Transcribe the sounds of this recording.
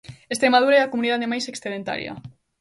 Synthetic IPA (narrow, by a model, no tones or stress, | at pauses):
est̪ɾemaðuɾaɛakomuniðaðemajseksθeðent̪a̰ɾjɐ̰